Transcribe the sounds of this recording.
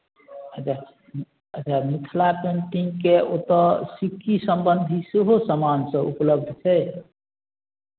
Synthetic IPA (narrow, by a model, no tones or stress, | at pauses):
əa | ət͡ʃʰamit̪ʰlapeɳʈiŋkeot̪əsikːisəmbənd̪ʱiseɦosəmansə̃ṵpləb̚d̪ʱt͡ʃʰɛj